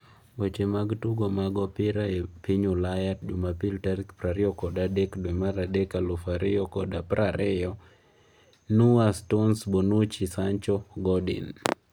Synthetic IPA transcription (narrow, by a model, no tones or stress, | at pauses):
bot͡ʃemaɡtuɡomaɡɔpɪɾaepiɲolajat̚d͡ʒʊmapiltaɾkpɾaɾɪɔkɔdadɛkdoɛmaɾadɛkalufaɾɪjɔkɔdapɾaɾɪjɔ | nuastonsbonut͡ʃisaɲt͡ʃɔɡɔdḭn